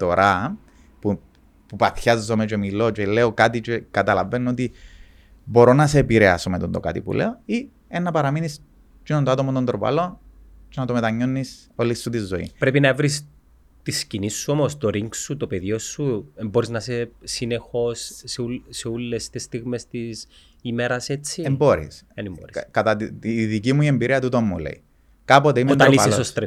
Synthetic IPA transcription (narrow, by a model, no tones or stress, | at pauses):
t̪o̞ɾʔɐ | pu | pupɐθçɐzːome̞t͡ʃe̞milo̞t͡ʃe̞leokat̪it͡ʃekɐt̪ɐlɐvenːot̪i | bo̞ɾo̞nɐse̞ːpiɾeɐsomet̪ond̪oka̰t̪ḭpṵlʔeoi | enːɐpɐɾɐminis | cinond̪oɐt̪omot̪ond̪ɾopɐ̰lo̞ | t͡ʃenɐt̪o̞met̪ɐɲːonːiso̞lisːut̪izːoḭpɾe̞pinɐevɾis | t̪iscinisːuomost̪oɾiŋksut̪opeðjo̞sːuemboɾiznɐsesine̞xo̞sːuseulːest̪est̪iɣmest̪is | imeɾɐse̞t͡sːiembo̞ɾḭsenboɾikɐt̪ɐt̪iðicimuiembiɾʔiɐt̪ut̪omːulḛi | kɐpot̪eiment̪ɐlisoost̪ɾe